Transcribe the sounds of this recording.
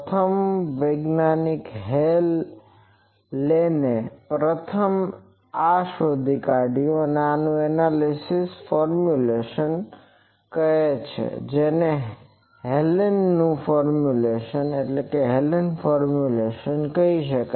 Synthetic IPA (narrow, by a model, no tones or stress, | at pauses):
t̪ʰəmʋəɡnanikɦel | enepɾət̪ʰəm | aʃod̪ʱikaɽioəneanũɛnalisisfɔɾmjuleʃən | kəɦet͡ʃʰḛd͡ʒene | ɦelnːũfɔɾmjuleʃəneʈlekeɦelnfɔɾmjuleʃənkəiʃəka